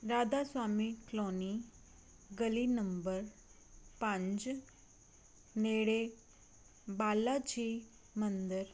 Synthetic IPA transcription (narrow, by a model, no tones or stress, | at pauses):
ɾaːd̪aswaːmikloni | ɡəlinəmbəɾ | pãɲd͡ʑ | neɽe | baːlat͡ɕi | mənd̪əɾ